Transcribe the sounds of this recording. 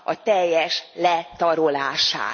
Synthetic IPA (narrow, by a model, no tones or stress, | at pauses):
ɒt̪ɛjːɛʃlɛt̪ɒɾolaːʃa̰ː